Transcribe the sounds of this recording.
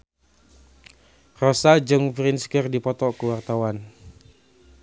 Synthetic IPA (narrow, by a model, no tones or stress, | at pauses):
rɔsad͡ʒɨŋfɾinskərdipɔt̪ɔkuwart̪awan